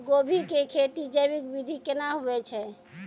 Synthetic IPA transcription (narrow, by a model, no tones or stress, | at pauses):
ɡobʱikekʰet̪id͡ʒəjbikbid̪ʱikenaɦuɛt͡ʃʰɛ